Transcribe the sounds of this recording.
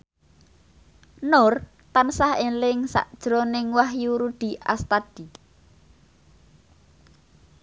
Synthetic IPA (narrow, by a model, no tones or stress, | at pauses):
nʊr | t̪ansahelɪŋsa̰ʔd̥ʒ̥ɾonɪŋwahjuɾud̥i̤ʔa̰st̪ad̪̥i̤